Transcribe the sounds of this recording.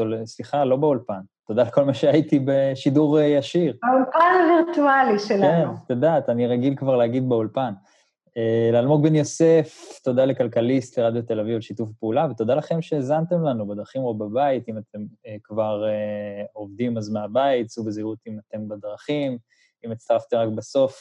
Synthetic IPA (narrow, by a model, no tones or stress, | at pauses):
tolsliχalo̞beulpanto̞d̪aleko̞lmaʃeajit̪ibeʃiduʁjaʃiʁaulpanaviʁt̪ualiʃelkaennut̪od̪aːt̪aniʁaɡilkvaʁleaɡid̪beulpan | elaːlmoɡ̚benjo̞se̞ft̪o̞d̪alekalkalist̪leʁad̪jot̪e̞lavivalʃitufpeulaveto̞d̪alaχe̞mʃeːzant̪e̞mlanubed̪ʁaχimobabait̪imat̪ʰe̞mekvaʁeo̞vd̪imazmeabaitsubeziʁut̪imat̪e̞mbad̪ʁaχim | imit͡st̪aʁaft̪emʁakbaso̞f